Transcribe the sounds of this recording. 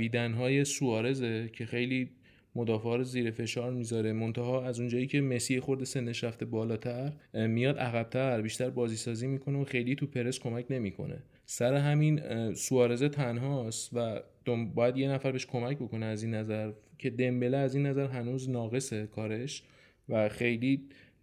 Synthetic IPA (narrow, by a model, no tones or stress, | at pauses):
biːd̪ænɦɒːjesuɒːɾe̞zecʰe̞xe̞jliː | mod̪ɒːfɒːɾoziːɾefe̞ʃɒːɾmiːzɒɾemo̞nt̪ʰæɦɒːæzund͡ʒɒːjiːcʰe̞mesiːhxo̞ɾd̪e̞se̞nːeʃɾæft̪e̞bɒːlɒːt̪ʰæɾmijɒːd̪æɣæb̥̚t̪ʰæɾbiːʃt̪æɾbɒːziːsɒːziːmiːkʰoneoxe̞jliːt̪ʰupʰe̞ɾeskʰo̞mæcʰne̞miːkʰo̞̰nḛ | sæɾe̞ɦæminsuɒːɾe̞zet̪ʰænɦɒːst̪væd̪̥obɒːjæd̪je̞næfæɾbeeʃkʰo̞mæcbo̞ko̞neæziːnːæzæɾcʰe̞d̪e̞mbe̞leæziːnːæzæɾɦænuːznɒːɣe̞sekʰɒːɾe̞ʃ | væxejliː